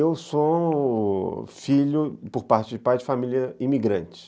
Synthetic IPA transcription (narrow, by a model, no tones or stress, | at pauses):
ewso | filʊpoɾpaɾt͡ʃɪd͡ʒɪpajd͡ʒɪfamiljɐimiɡɾɐ̃t͡ʃɪ̥